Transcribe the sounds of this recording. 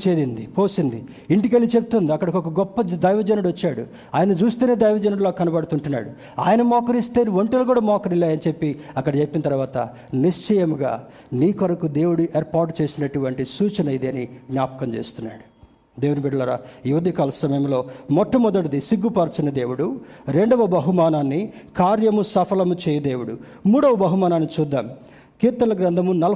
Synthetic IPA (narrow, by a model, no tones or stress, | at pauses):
t͡ʃeːd̪ind̪ipo̞ːsind̪i | iɳʈikelːit͡ʃebut̪und̪iɐkːɐɽɐkokɐɡɔpːɐd̪ɐjʋɐd͡ʒɐnɐɽʋɐt͡ʃːaːɽṵ | aːjɐnɐt͡ʃuːst̪uːned̪ɐjʋɐd͡ʒɐnɐɽulaːkːkːɐnɐpɐɽt̪uɳʈunːa̰ːɽu | a̰ːjɐnɐmɔːkɐɾist̪e̞ːniʋɐɳʈɐlkuːɽaːmɔːkɐɾilːaːjɐnit͡ʃe̞pːiɐkːɐɽɐt͡ʃe̞pːinɐt̪ɐɾʋaːt̪ɐ̰ | niʂt͡ʃɐjɐmuɡa̰ː | niːkʋɐɾɐkud̪e̞ːwuɽuʔeːɾpaːɾʈt͡ʃe̞ːsinɐʈuʋɐɳʈisuːt͡ʃɐnɐjid̪iɐniɡnʲaːpɐ̥kɐmt͡ʃe̞̰ːsu̥t̪unːa̰ːɽu | d̪e̞ːwunibiɖɐlɐɾɐ̰juʋɐd̪ʱikaːlɐsɐmɐjɐmlo̞ːmɔʈːɐmɔd̪ɐʈɐd̪isiɡːupɐɾt͡ʃɐnɐd̪e̞ːwuɽuɾe̞ɳɖɐʋɐbɐɦumaːnaːnːikaːɾjɐmusɐpʰɐlɐmut͡ʃɛːjɐd̪e̞ːwuɽu | muːɽɐʋɐbɐɦumaːnaːnːit͡ʃuːd̪ːaːm | kiːɾt̪ːɐnlɐɡɾɐnd̪ʱɐmunɐlɐ